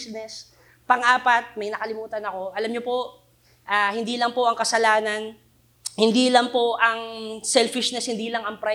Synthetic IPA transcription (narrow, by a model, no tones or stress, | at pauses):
nɛs | pɐŋʔaːpɐt̪̚mɐjnɐkɐlɪmuːt̪ɐnɐko̞ʔɐlɐmɲopo̞ | ʔaːhɪnd̪iːlɐŋpo̞ʔɐŋkɐsɐlaːnɐn | hɪnd̪iːlɐŋpo̞ʔɐŋsɛlfɪʃnɛshɪnd̪iːlɐŋɐŋpɾa